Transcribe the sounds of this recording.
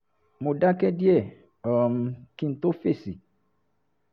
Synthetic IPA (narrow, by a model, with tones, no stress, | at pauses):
mo˨da˦kɛ˦di˦ɛ˦˨ | ɔ˨m˧kĩ˦n̩˦t̪o˦fe˦˨si˨